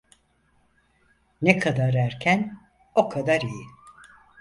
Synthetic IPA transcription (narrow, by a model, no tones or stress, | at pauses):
nekʰad̪aɾæɾcʰæn | okʰad̪aɾiji